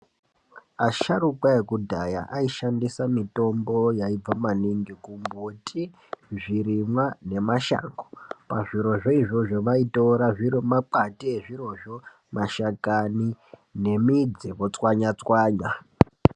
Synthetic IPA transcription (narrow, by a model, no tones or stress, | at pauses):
aʃarukwaekudʱaja̰ʔaiʃandisamito̞mbo̞jaib͡vamaniŋɡikumbutʰi | ʐiɾimwane̞maʃa̰ːŋɡopaʐiɾo̞ʐo̞iʐo̞ʐoʋaito̞ɾaʐiɾomak͡patiːʐiɾo̞ʐo̞ | maʃakanine̞mid͡ziʋot͡swaɲat͡swaːɲa